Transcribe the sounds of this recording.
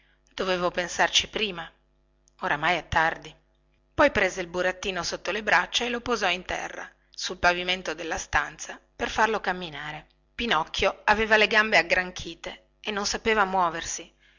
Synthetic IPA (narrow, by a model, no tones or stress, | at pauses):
d̪̥oveːvopensart͡ʃipɾiːma | oɾamajɛt̪ːard̪i | pɔjpɾeːzeilbuɾat̪ːiːnosot̪ːolebɾat͡ʃːaelopozɔint̪ɛ̰rːa̰ | sulpaviment̪od̪elːast̪ant̪saperfarlokamːinaːɾe | pinɔkʰːjoaveːvaleɡambeaɡɾaŋkʰiːt̪e | enːonsapeːvamwɔːversi